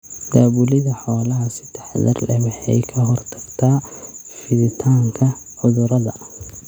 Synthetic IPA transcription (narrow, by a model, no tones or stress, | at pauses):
d̪̥aːβʊlɪðɐħɔːlɐɦɐsɪt̪ʰɛħd̪ɐ̰rlɛ̰mɛħɛ̰jkʰɐɦɔrt̪ʰɐɡ̥t̪ʰaː | fɪðɪt̪ʰaːŋkʰɐ | ʕʊðʊɾɐðɐ̰